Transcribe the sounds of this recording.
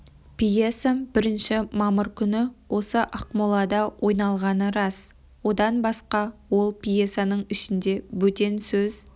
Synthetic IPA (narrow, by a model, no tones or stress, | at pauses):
pijesabɪɾɪnʃɪmɑməɾkʲʰʏnɪwʔo̞səʔɑqmolˠɑd̪ɑwʔo̞jnɑlˠʁɑnəɾɑs | wo̞d̪ɑnbɑsqɑwo̞lˠpʰijesanəɴɪʃɪnd̪e̞bɵt̪e̞nsɵz̥